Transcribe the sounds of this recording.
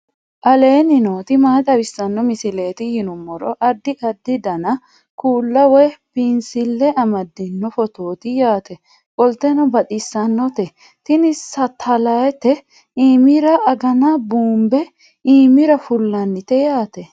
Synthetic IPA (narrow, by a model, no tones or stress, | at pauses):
ʔɐleːnɪnoːt̪ɪmaːt̪ɐwɪsːɐnːɔmɪsɪle̞ːt̪ɪhɪnʊmːɔɾɔʔɐd̪ːɪʔɐd̪ːɪd̪ɐnɐ | kuːlːɐwɛpɪnsɪlːɛʔɐmɐd̪ːɪnːɔfɔt̪o̞ːt̪ɪjaːt̪ɛ | kʼɔlt̪ɛnɔbɐt̪ɪsːɐnːɔt̪ɛ | t̪ɪnɪssɐt̪ʰːɐlɐjɛt̪ɛ | iːmɪɾɐːɡɐnɐbuːmbɛ | iːmɪɾɐfʊlːɐnːɪt̪ɛjaːt̪ɛ